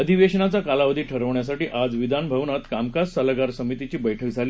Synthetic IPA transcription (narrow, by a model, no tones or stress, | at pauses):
əd̪ʱiʋeɕnat͡sakalaʋəd̪ʱiːʈʰəɾəʋɳjasaʈiːʔad͡zʋid̪ʱanbʱəʋnat̪kamkassalaɡaɾsəmit̪it͡ɕiːbəjʈʰəkd͡zʱaliː